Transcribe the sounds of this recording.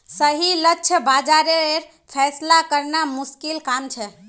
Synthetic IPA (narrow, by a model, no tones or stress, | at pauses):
səɦilətːʃʰəbad͡ʒaɾeeɾ | pʰɛslakəɾnamuskilkamt͡ʃʰɛ